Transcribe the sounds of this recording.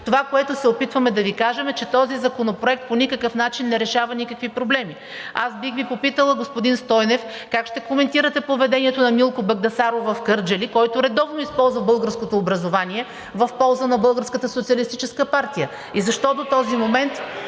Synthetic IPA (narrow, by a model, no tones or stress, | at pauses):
t̪ovakoɛt̪ʊsɛopit̪vəmɛd̪ɐvikaʒɛmɛt͡ʃɛt̪ɔzizɐkonopɾoɛk̚t̪̚ponʲikəkəfn̪at͡ʃinːɛɾɛʃavɐnʲikəkvipɾoblɛmi | asbixvipopit̪əlˠəɡospʊd̪inst̪ɔjnɛfkakʃt̪ɛkomɛnt̪iɾət̪ɛpovɛd̪ɛniɛt̪onɐmilˠkobɐɡd̪ɐsaɾovɐfkəɾd͡ʒɛlikɔjt̪ʊɾɛd̪ɔvnoispɔlˠzvɐbɤlˠɡəɾskot̪oːbɾɐzovanʲiɛ | vɐfpɔlˠzənɐbɤlˠɡəɾskət̪əsot̪siəlist̪it͡ʃɛskəpaɾt̪ijə | izɐʃt̪ɔd̪ot̪ɔzimomɛnt̪